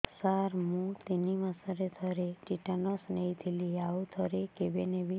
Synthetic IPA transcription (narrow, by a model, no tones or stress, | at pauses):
saɾmũt̪enimãsəɾet̪ʰəɾeʈiʈanɔsnejt̪ʰiliaut̪ʰəɾekebeneʋi